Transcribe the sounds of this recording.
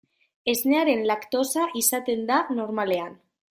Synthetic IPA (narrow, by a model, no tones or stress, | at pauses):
e̞zneaɾenlakt̪osaʔisat̪e̞nd̪anoɾmalean